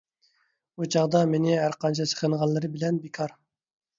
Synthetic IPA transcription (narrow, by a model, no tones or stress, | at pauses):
ut͡ʃʰɑʁd̪ɑmenɪɦæɾqʰɑnt͡ʃʰɛsʰə̥χənʁɑllːˠɨɾɨbɪlɛnbekʰɑɾ